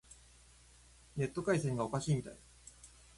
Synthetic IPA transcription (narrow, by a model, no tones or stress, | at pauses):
ne̞t̪ːo̞kaisẽ̞ŋɡaokaɕiːmʲit̪a̰i